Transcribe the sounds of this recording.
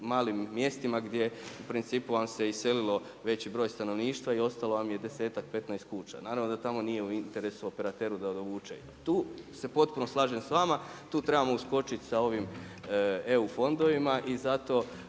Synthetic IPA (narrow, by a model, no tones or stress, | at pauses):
maːlimːje̞st̪imaɡd̪je̞upɾint̪siːpuʋamse̞ise̞lilo̞ | ʋe̞t͡ɕibɾo̞ːjst̪ano̞ʋniːʃt̪ʋaio̞st̪alo̞ʋamje̞d̪e̞se̞ːt̪ak̚pe̞t̪najst̪̚kuːt͡ɕa̰naːɾaʋnod̪at̪amo̞nije̞uint̪e̞ɾe̞suope̞ɾat̪eːɾud̪aod̪oʋuːt͡ʃḛ | t̪uːse̞po̞t̪̚puno̞slˠaːʒemsʋamat̪uːt̪ɾe̞bamo̞usko̞t͡ʃit̪sao̞ʋim | e̞ufo̞nd̪o̞ʋimaʔizat̪o̞